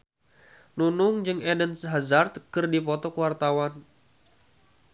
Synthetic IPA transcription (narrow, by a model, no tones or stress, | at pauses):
nunʊŋd͡ʒɨŋɛdənsɦazart̪kɨrdipɔt̪ɔkəwart̪awan